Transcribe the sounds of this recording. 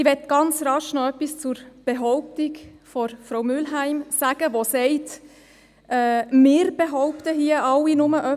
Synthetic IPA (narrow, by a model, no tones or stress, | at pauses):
ɪʋɛtɡ̥ɑnt͡sɾɑʃnɔœpːist͡sʊɾb̥eɦɔʊp̚tikfɔɾfɾowmʏlɦæɪmsæːɡ̥əʋosɛɪt | ʔɛːmɪːɾbeɦɔʊptəɦiəɑwinʊməʔœ